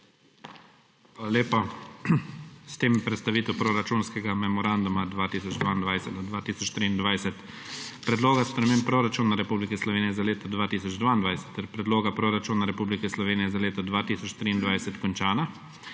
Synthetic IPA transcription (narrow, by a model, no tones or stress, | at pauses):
ʋalalʲjeːpa | st̪eːmɛpɾɛt̪st̪aʋiːt̪ɛwpɾoɾat͡ʃunskɛɡamɛmɔɾand̪umad̪ʋaːt̪iːsɔd͡ʒd̪ʋaːind̪ʋajsɛt̪ɔd̪ʋaːt̪iːsɔt͡ʃt̪ɾiːnd̪ʋajsɛt̪ | pɾɛd̪loːɡaspɾɛmeːmppɾoɾat͡ʃuːnaɾɛpublikɛslɔʋeːnijɛzaleːt̪ɔd̪ʋaːt̪iːsɔd͡ʒd̪ʋaːnd̪ʋajsɛ̥t̪ːɛɾpɾɛd̪loːɡapɾoːɾat͡ʃuːnaɾɛpublikɛslɔʋeːnijɛzaleːt̪ɔd̪ʋaːt̪iːsɔt͡ʃt̪ɾiːnd̪ʋajsɛt̪kɔnt͡ʃaːna